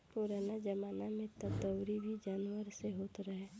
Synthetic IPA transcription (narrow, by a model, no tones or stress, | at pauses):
puɾaːnad͡ʒəmaːnamẽt̪ət̪əwɾibʱid͡ʒaːnwəɾseɦoːt̪ɾəɦe